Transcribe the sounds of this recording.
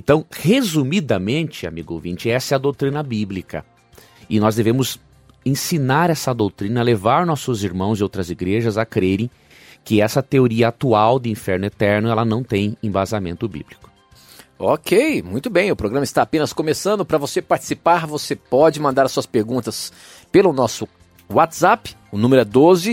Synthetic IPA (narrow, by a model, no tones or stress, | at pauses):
ẽnt̪ɐ̃w̃hezumid̪ɐmẽnt͡ʃɪa̰miɡʊo̰wvĩnt͡ʃɪɛsɛɐd̪owt̪ɾĩnɐbiblikɐ̰ | ɪnɔzd̪evẽmʊz | ẽsinaɾɛsɐd̪owt̪ɾĩnɐlevaɾnɔsʊziɾmɐ̃w̃zɪowt̪ɾɐziɡɾeʒɐzakɾeɾẽj̃ | kɪɛsɐt̪eoɾiɐat̪uawd̪ɪĩfɛɾnʊet̪ɛɾnʊɛlɐnɐ̃w̃t̪ẽj̃ẽbazamẽnt̪ʊbḭblikʊ̥ | okʰejmũj̃t̪ʊbẽj̃ʊpɾoɡɾɐ̃mɐɪst̪aːpẽnɐskõmesɐ̃nd̪ʊpɾɐvosepaɾt͡ʃɪ̥sipaɾvosepɔd͡ʒɪmɐ̃nd̪aɾɐsuɐspeɾɡũnt̪ɐs | pelʊnɔsʊ | wat̪z̥ap | ʊnũmeɾʊɛd̪ozɪ